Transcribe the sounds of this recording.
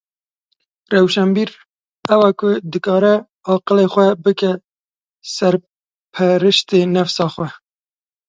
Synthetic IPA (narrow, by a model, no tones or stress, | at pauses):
rɛwʃɛmbiːɾ | ɛwɑːkʊd̪ɨkɑːɾɛ | ɑːqəleːxʷɛbɨkɛ | sɛɾ | pʰɛɾɨʃt̪eːnɛfsɑːxʷɛ